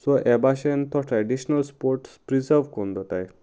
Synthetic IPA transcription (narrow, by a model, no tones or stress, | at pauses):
sɔʔɛbaɕent̪ʰɔʈɾɛɖiɕnəlspoɾʈspɾid͡zəɾʋkond̪ʱɔt̪a̰j